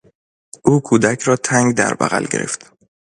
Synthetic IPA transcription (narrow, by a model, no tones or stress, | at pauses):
ʔuːkʰuːd̪æcʰɾɒːt̪ʰæŋɡd̪æ̰ɾbæ̰ɣæ̰lɟe̞ɾʔe̞̰ft̪